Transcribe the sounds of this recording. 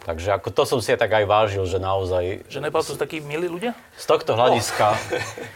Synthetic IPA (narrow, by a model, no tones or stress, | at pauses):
t̪aɡʒɛakɔt̪ɔsɔmsiat̪aɡajʋaːʒilʒɛnaɔzajʒɛnɛbalt̪ust̪akiːmiliːluɟɪa | st̪ɔxt̪ɔɦlaɟiska